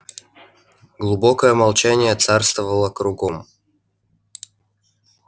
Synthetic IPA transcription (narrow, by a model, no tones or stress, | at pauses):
ɡlˠubokəjəmɐlˠt͡ɕænʲɪjət̪sarst̪vəvəlˠəkɾʊɡom